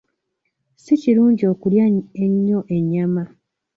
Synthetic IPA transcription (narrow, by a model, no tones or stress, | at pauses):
siciɾuːɲɟio̞kuljaeɲːo̞ʔe̞ɲːama